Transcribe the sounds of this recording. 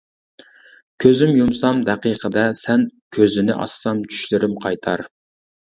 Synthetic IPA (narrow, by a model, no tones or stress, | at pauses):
kʲʰøzymjumsɑmd̪ɛqiqʰəd̪ɛsɛnkʲʰøzɪnɪʔɑ̰sːɑmt͡ʃʰy̥ʃlɪɾɪmqʰɑjt̪ʰɑɾ